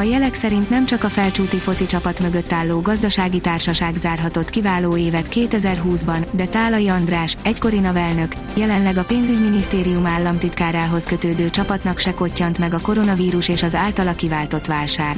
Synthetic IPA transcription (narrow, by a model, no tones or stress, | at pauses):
ɒjɛlɛksɛɾint̪nɛmt͡ʃɒkɒfɛlt͡ʃuːt̪ifo̞t̪sit͡ʃɒpɒt̪mø̞ɡøt̪ːaːlːoːɡɒzd̪ɒʃaːɡit̪aːrʃɒʃaːɡzaːrɦɒt̪o̞t̪kivaːloːeːvɛt̪keːt̪ɛzɛrɦuːzbɒnd̪ɛt̪aːlɒjiɒnd̪raːʃɛcko̞ɾinɒvɛlnø̞k | jɛlɛnlɛɡɒpeːnzyɟminist̪eːɾijumaːlːɒmt̪it̪kaːɾaːɦo̞skø̞t̪øːd̪øːt͡ʃɒpɒt̪nɒkʃɛko̞cːɒnt̪mɛɡɒko̞ɾo̞nɒviːɾuʃeːʃɒzaːlt̪ɒlɒkivaːlt̪o̞t̪ʋaːlʃaːr